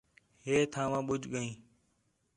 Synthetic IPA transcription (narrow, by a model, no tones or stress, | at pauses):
ɦeːt̪ʰãːʋãːɓʊd͡ʒɠəĩː